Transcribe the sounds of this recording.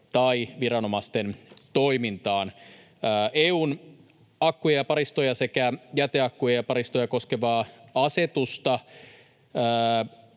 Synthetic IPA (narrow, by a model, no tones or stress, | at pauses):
t̪ɑiʋiɾɑno̞mɑst̪ent̪oimint̪ɑːnː | ʔeːuːn | ɑkːujɑjɑpɑɾist̪ojɑse̞kæjæt̪eɑkːujɑjɑpɑɾist̪ojɑko̞skeʋɑːɑse̞t̪ust̪ɑ | əː